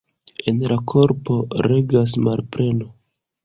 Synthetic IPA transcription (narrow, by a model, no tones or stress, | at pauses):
e̞nlakʰo̞ɾpo̞ɾe̞ɡas̬malpɾe̞no̞